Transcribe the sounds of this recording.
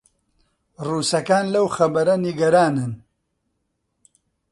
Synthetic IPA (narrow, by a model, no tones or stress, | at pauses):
ruːsɐkaːnlɐwxɐbɐɾɐniɡɐɾaːnɨn